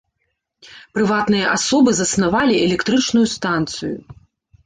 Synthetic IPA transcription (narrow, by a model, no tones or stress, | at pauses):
pɾɨvat̪nɨjɐʔasɔbɨzɐsnavalʲiɛlʲɛkt̪ɾɨt͡ʂnujust̪ant̪sɨjṵ